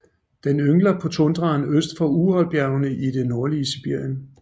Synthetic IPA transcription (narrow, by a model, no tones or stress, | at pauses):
d̥enøŋlɐpʰɒ̽t͡sʰɔnd̥ʁɑ̈ːnøsd̥fɒ̽uhɒ̽l̰b̥jæɐʊnəʔid̥e̝noɐliəsib̥iɐ̰jən